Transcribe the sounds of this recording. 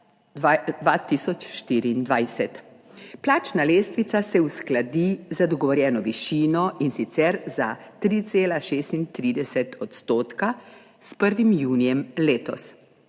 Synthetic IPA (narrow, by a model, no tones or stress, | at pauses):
d̪ʋat̪iːsɔt͡ʃʃt̪iːɾiːnd̪ʋajsɛt̪ | plaːt͡ʃnaleːst̪ʋit̪sasɛusklad̪izad̪ɔɡɔʋɔɾjɛːnɔʋiʃiːnɔʔinsit̪sɛɾzat̪ɾiːt̪seːlaʃeːst̪int̪ɾiːd̪ɛsɛt̪ʰɔt̪st̪oːt̪ka | spəɾʋimjuːnijɛmleːt̪ɔ̰s